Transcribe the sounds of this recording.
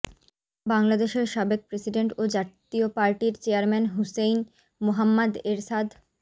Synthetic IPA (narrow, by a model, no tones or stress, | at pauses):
baŋlad̪eʃeɾʃabek̚pɾesiɖeɳʈod͡ʑat̪iopaɾʈiɾt͡ɕeaɾmɛnɦusejn | moɦamːad̪eɾsad̪ʱ